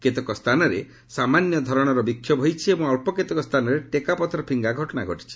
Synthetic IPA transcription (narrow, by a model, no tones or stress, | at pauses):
ket̪ɔkɔst̪ʰanɔɾe | samanjɔd̪ʱɔɾɔɽ̃ɔɾɔbikʰːjɔbʱɔjt͡ʃʰiebɔ̃ŋɔlpɔket̪ɔkɔst̪ʰanɔɾeʈekapɔt̪ɾɔpʰiŋɡaɡʱɔʈɔɽaɡʱɔʈi̥t͡ʃʰi̥